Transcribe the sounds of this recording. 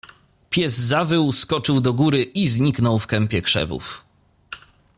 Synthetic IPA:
pʲjɛzːavɘwskɔt͡ʂɘwd̪ɔɡuɾɘʔizɲiknɔwfkɛmpʲjɛkʂɛ̰vṵf

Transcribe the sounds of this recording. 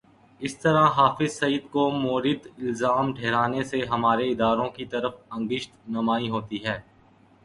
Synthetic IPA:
ɪst̪ɐɾãɦaːfɪzsɐiːd̪komoːɾɪd̪ɪlzaːmʈʰeːɾaːneseɦɐmaːɾeɪd̪aːɾõkit̪ɐɾəfɐ̃ŋɡɪʃt̪nɐmaːiɦoːt̪iɦɛː

